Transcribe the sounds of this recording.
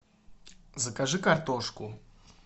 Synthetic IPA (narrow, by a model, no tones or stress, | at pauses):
zəkaʐɨkɐrt̪ɔʂkʊ